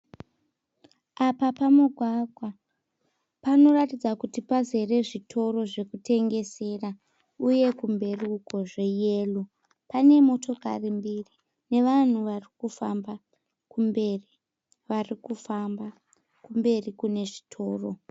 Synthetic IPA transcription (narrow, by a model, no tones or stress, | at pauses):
apapamuɡʱwaɡʱwa | pano̞ratid͡zakutipaze̞re̞ʐitʰo̞ɾo̞ʐe̞kute̞ŋɡe̞se̞ra | uje̞kumbe̞ruːko̞ʐe̞jelu | pane̞mo̞tʰo̞ka̰rimbiri | ne̞ʋan̤uʋarikufamba | kumberi | ʋarikufamba | kumbe̞rikune̞ʐitʰo̞ːro̞